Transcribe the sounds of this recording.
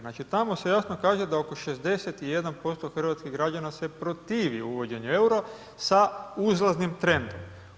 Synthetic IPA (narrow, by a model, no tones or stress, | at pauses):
nat͡ʃit̪amo̞se̞jasno̞kaːʒed̪ao̞ko̞ʃezd̪e̞set̪ije̞d̪anpo̞st̪o̞xr̩ʋat̪skiɣɡɾad͡ʑanase̞pɾo̞t̪iːʋḭuʋo̞d͡ʑe̞ɲue̞uɾo | sauzlaznimt̪ɾe̞nd̪om